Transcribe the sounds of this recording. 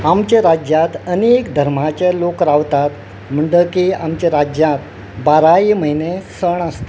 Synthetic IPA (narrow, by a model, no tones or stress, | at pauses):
amt͡ɕeɾad͡ʑjãt̪ənekd̪ʱəɾm̤at͡ɕelokɾaʋt̪at̪ | m̤əɳɖəkiamt͡ɕeɾad͡ʑjãt̪̚ | baɾaiməɦinesəɳəst̪e